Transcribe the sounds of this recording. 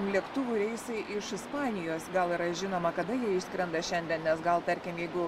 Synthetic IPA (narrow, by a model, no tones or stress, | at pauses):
mlʲiɛkt̪ʊʋʊɾʲɛɪsɐɪʔɪʃɪspɑːnʲɪjoːsɡɐlˠɪːɾɐʒʲɪnoːmɐkɐd̪ɐjiɛɪʃʲsʲkɾʲɛnd̪ɐʃʲɛnʲd̪ʲiɛnnʲɛsɡɐlˠt̪ɐɾʲkʲɪmjɛɪɡʊ